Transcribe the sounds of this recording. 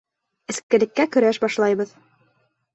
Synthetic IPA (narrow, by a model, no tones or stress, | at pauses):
ɘ̆skɘ̆lɘ̆kːækɵ̆ɾæʃbɑʃlˠɑjβɤð